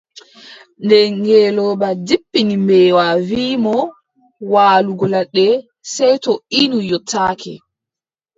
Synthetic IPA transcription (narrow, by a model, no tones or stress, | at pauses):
ndɛŋɡɛlɔbadipːinimbɛːwaviːmɔ | waːluɡɔlaɗːɛ | sɛjtɔinujɔtʰːaːkɛ̰